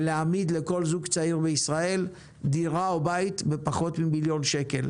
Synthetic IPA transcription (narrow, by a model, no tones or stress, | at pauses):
leamid̪le̞ko̞lzuɡt͡saiʁbeisʁae̞l | d̪iʁaobait̪bepaχo̞t̪mibiljo̞nʃe̞ke̞l